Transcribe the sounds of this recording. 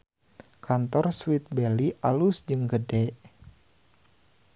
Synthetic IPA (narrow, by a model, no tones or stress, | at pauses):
kant̪ɔrswit̪̚bɛliʔalusd͡ʒɨŋɡədɛʔ